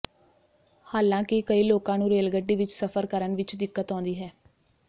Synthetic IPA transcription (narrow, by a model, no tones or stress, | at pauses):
haːlãːkɪkəiːloːkãːnũːɾeːlɡəɖiːʋɪt͡ʃsəpʰəɾkəɾənʋɪt͡ʃd̪ɪkːət̪ɔ̃ːnd̪iːɦɛː